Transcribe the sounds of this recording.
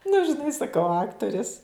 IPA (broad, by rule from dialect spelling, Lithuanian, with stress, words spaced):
nʊ ʒʲɪˈnɐɪ sɐˈkɐʊ ˈɑːktoːrʲɪs